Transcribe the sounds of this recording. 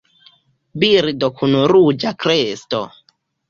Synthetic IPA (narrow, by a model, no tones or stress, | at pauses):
biɾdokʰunuɾud͡ʒakɾesto̰